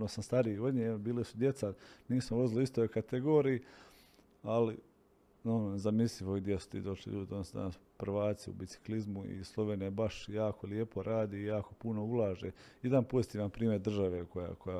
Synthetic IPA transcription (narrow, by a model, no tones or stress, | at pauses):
nosamst̪aɾiio̞d̪ɲebiːlesud̪je̞t̪saniːsmoʋo̞ziliist̪ojkat̪eɡo̞ːɾii | ali | nonzamisliʋod̪jesu̥t̪ḭːd̪o̞ʃlḭʎuːd̪ionosd̪a̰naspr̩ʋaːt̪siṵbit̪si̥klizmuḭslˠo̞ʋeːnebaʃjaːko̞lijepo̞ɾʔaːd̪iːjaːko̞puno̞ulˠaːʒejed̪anpo̞zit̪iːʋanpɾiːmjeɾd̪r̩ʒaʋe̞koja̰koja